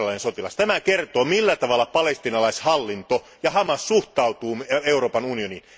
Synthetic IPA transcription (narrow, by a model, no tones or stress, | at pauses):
lɑinesot̪ilɑ̰st̪æmækert̪oːmilːæt̪ɑʋɑlːɑpɑlest̪inɑlɑishɑlːint̪o | jɑhɑmɑssuht̪ɑut̪uːeuro̞ːpɑnunionin